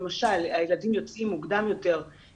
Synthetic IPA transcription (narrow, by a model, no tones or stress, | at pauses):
maʃalajeladimjo̞t͡simːuɡd̪amjo̞t̪e̞ʁ